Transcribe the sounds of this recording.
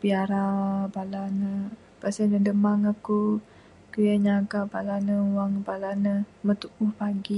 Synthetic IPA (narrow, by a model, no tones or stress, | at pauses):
biaɾabalanə | basanədəmaŋaku | kəjaɲaɡabalanəwaŋbalanəmət̪uʔuhpaɡi